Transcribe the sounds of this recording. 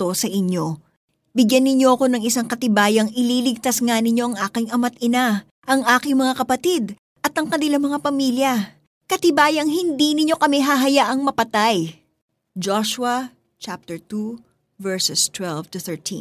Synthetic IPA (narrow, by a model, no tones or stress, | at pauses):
t̪osɐʔɪɲo̞ | bɪɡjanːɪɲːo̞ʔɐko̞nɐŋɪsaŋkɐt̪ɪbaːjɐŋʔɪliːlɪɡ̚t̪asŋanɪɲo̞ʔɐŋʔaːkɪŋɐmɐt̪̚ɪna | ʔɐŋʔaːkɪŋmɐŋakɐpɐt̪id̪ | ʔɐt̪ɐŋkɐnɪlamɐŋapɐmiljɐ | kɐt̪ɪbaːjɐŋhɪnd̪inɪɲo̞kɐmɛɦaɦɐjaʔɐŋmɐpɐt̪aj | d͡ʒoʃwɐ | t͡ʃap̚t̪ɛɹt̪u | vɛɹsɛst̪wɛlvt̪ʊθɛ˞ɹt̪ʰḭ̃n